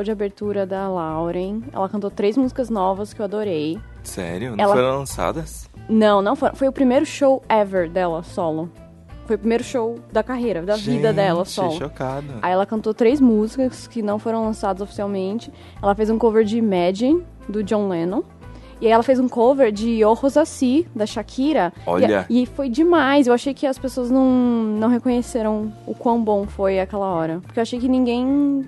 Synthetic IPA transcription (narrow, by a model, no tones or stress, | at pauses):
ʃowd͡ʒɪabeɾt̪uɾɐd̪ɐlawɾẽj̃ɛ̰lɐkɐ̃nt̪ot̪ɾejzmuzikɐznɔvɐskɪewad̪oɾej | sɛ̰ɾjʊnɐɛl̃ɐfojɾɐ̃lɐ̃sa̰d̪ɐsnɐ̃w̃nɐ̃w̃foɾɐ̃fojʊpɾimejɾʊʃowɛveɾd̪ɛlɐsɔlʊ | fojʊpɾimejɾʊʃowd̪ɐkaɦejɾɐd̪ɐvid̪ɐd̪ɛlɐsɔlʊokad̪ɐaiɛlɐkɐ̃nt̪ot̪ɾejzmuzikɐskɪnɐ̃w̃foɾɐ̃w̃lɐ̃sad̪ɐzofi̥siawmẽnt͡ʃɪ̥ | ɛlɐfejzũkoveɾd͡ʒɪmɛd͡ʒĩ | d̪ʊd͡ʒõw̃lẽnõ | ɪaiɛlɐfejzũkoveɾd͡ʒɪohozasid̪ɐʃakʰiɾɐo̰ʎɐ̰ɪfojd͡ʒɪmajsewaʃejkɪɐspesoɐznɐ̃w̃nɐ̃w̃ɦekõɲeseɾɐ̃w̃ʊkwɐ̃w̃bõw̃fojakɛlɐɔɾɐpoɾkewaʃejkɪnĩŋɡẽj̃